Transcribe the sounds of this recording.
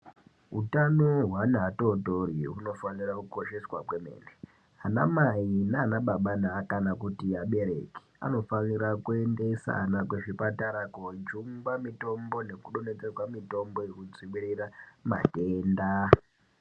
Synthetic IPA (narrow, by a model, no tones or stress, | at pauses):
ɦutanoɦwanato̞toriɦuno̞fanirakuko̞ʃe̞swa̰kweme̞̰ːne | ana̰mainaːnaɓaɓanaːkanakutiaɓe̞ɾe̞̰ke̥a̰no̞faniɾakue̞nde̞sa̰nakweʐipataɾakod͡ʒuŋɡwamito̞mbo̞ne̞kuɗone̞t͡sekwamito̞mbo̞jekud͡zimiɾirama̰teːnda